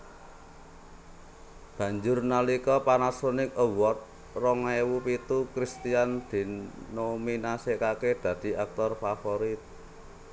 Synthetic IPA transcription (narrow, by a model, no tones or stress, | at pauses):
b̥ä̤ɲd͡ʒʊrnalikɔpanasonɪk̚əwɔt̪̚ | rɔŋewupit̪ukɾist̪iand̪̥i̤nominasekaked̪̥ä̤d̪̥i̤ʔak̚t̪ɔrfafoɾit̪̚